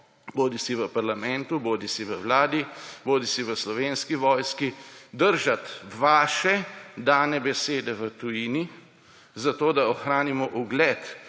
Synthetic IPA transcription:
boːd̪isiʋəpaɾlamɛnt̪uboːd̪isiʋəwlaːd̪iboːd̪isiʋəslɔʋeːnskiʋɔːjskid̪əɾʒat̪ʋaːʃɛd̪aːnɛbɛseːd̪ɛʋət̪ujiːni | zat̪oːd̪aɔxɾaːnimɔʔuɡlɛt̪

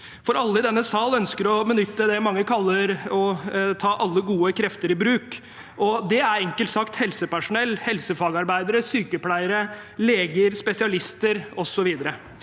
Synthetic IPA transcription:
fɔɾɑlːəɪd̪ɛnːəsɑːlœnskəɾɔbənʏt̪ːəd̪ɛmɑŋːəkʰɑlːəɾɔt̪ʰɑːʔɑlːəɡuːəkʰɾɛft̪əɾɪbɾʉːk | ʔɔd̪ɛæɾɛŋkəlt̪sɑkt̪hɛlsəpæʂʊnɛlːhɛlsəfɑːɡɑɾbæɪd̪əɾəsyːkəpʰlæɪəɾə | leːɡəɾspɛsɪɑlɪst̪əɾɔsɔʋiːd̪əɾə

